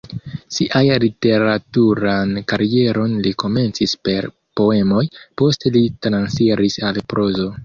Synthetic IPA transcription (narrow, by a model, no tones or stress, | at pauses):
siʔajlite̞ɾatuɾankaɾie̞ɾo̞nliko̞me̞nt͡sispe̞ɾ | po̞e̞mo̞jpo̞ste̞litɾansfiɾisalpɾʔo̞zo̞